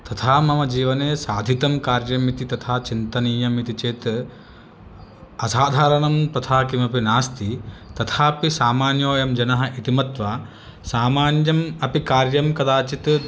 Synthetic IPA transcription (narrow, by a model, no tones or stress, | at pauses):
t̪ɐt̪ʰaːmɐmɐd͡ʒiːʋɐneːsaːd̪ʱit̪ɐmkaːɾjɐmit̪it̪ɐt̪ʰaːt͡ʃint̪ɐniːjɐmit̪it͡ʃeːt̪ | ɐsaːd̪ʱaːɾɐnɐmt̪ɐt̪ʰaːkimɐpinaːst̪ʰit̪ɐt̪ʰaːpisaːmaːnjoːjɐmd͡ʒɐnɐɦɐʔit̪imɐt̪ʋaː | saːmaːnjɐmɐpikaːɾjɐmkɐd̪aːt͡ʃit̪